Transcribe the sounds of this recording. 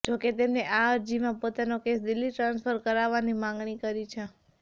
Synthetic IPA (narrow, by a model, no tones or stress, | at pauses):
d͡ʒoket̪emneʔaəɾd͡ʒimãpot̪anokesd̪ɪlːiʈɾãnsfʰəɾkəɾaʋanimãŋɡɳikəɾit͡ʃʰe